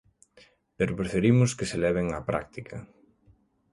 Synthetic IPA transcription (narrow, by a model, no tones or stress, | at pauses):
peɾopɾefeɾimʊskɪselɛβ̞eŋapɾa̰k̚t̪ikʰɐ